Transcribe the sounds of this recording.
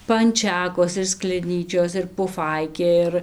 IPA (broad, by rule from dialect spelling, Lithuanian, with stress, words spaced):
pɐnʲˈt͡ʃʲæːkoːs ɪr sklʲɛˈnʲiːt͡ʃʲoːs ɪr pʊˈfɐɪkʲeː ˈɪr